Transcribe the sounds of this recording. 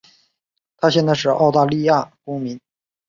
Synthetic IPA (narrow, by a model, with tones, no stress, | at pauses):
t̪ʰa˥ɕjɛ˥˧nt͡sa˥˧ɪʂɻ̩˥˩ʔɑ˥˧ʊt̪a˥˧li˥˧ja˥˩kʊ˥ŋmi˧˥n